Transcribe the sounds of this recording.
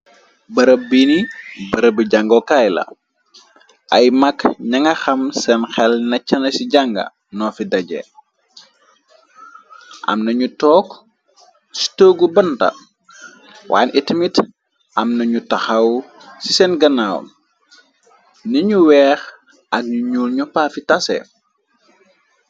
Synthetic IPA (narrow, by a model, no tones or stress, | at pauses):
bɐɾəbinibɐɾəbiɟaŋɡɔkajlɐ̰ | ʔɐjmɐkɲɐŋɐxɐmsɛnxɛlnɐcːɐnɐsiɟaŋɡɐ̰ | nɔfidɐɟɛ̰ | ʔɐ̰mnɐɲutɔːk | si̥toːɡubɐntɐ̰ | wʔa̰ːnitimit | ʔɐmnɐɲutɐxɐw | sisɛnɡɐnaːw | niɲuwɛːx | ʔɐk̚ɲuɲuːlɲupaːfitɐsɛ̰